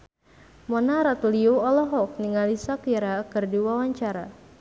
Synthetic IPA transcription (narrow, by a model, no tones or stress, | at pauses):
mɔnaɾat̪uliuɔlɔɦɔk̚niŋalisakiɾakɨrdiwawaɲt͡ʃaɾa